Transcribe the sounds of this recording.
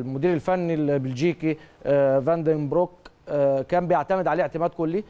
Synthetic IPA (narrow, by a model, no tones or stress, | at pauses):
mʊd̪iːɾɪlfænːilbɪld͡ʒiːkivænd̪embɾok | kæːmbɪjaʕt̪æmɪd̪ʕaleːʔeʕt̪ɪmæːd̪̚kʊlːi